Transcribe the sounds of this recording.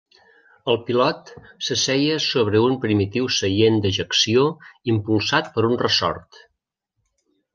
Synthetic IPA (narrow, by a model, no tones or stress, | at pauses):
əlˠpilɔt̪səsɛjəsoβɾəumpɾimit̪iwsəjend̪əʒəksioimpulˠsat̪pəɾunrəsɔ̰ɾt̪